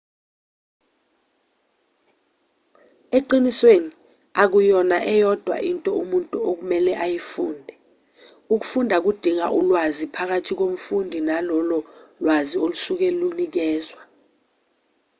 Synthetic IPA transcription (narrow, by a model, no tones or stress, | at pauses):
eǃinisweni | ak̬ujɔnaʔɛjɔd̥ʱwa̰ʔintʼɔumuntʼuok̬umɛlɛʔajifuːndʱɛ | uk̬ufundʱak̬ud̥ʱiŋa̰ʔulwazipʰak̬atʰik̬om̩fundʱinalɔlɔlwaziolusuk̬ɛlunik̬ɛːzwa